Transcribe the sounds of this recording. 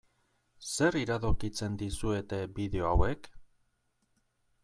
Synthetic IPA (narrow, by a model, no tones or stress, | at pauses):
se̞ɾiɾaðokit͡se̞nd̪isue̞t̪e̞biðe̞o̞awe̞k